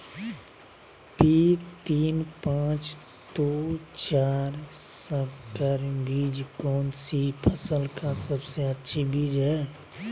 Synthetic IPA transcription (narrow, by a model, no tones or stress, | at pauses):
pit̪iːnpãːt͡ʃ | t̪ot͡ʃaːɾsəkəɾbiːd͡ʒkɔːnsipʰəsəlkasəbseətːʃʰibiːd͡ʒɦɛ